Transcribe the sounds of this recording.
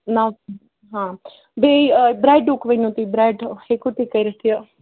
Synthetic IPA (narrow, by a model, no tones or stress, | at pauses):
na | ɦãː | beibɾaːɪɖukʋənũːt̪iːbɾaːɖhekot̪iːkəiɾət̪ijaː